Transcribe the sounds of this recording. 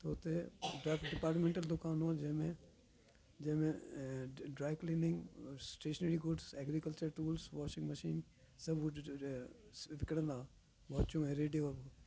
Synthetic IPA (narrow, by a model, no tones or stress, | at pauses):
t̪oʊt̪eɖaːfɖɪpaːɾʈmẽːɳʈəld̪ʊkaːnõd͡ʒɐmẽ | d͡ʒɐ̃ɦmẽ | ɖɾaːɪklĩnɪ̃ŋɡsʈeːʃəneɾiɡʊɖsɛːɡɾikəlt͡ʃəɾʈuːlsʋaːʃɪ̃ŋɡmɐʃiːn | sɐb | ʋɪkɽə̃nd̪aː | ʋaːt͡ʃõɛ̃ɾeːɖijob